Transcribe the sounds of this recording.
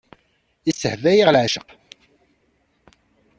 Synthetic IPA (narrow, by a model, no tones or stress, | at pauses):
isəhvæjiʁlʕaʃə̰q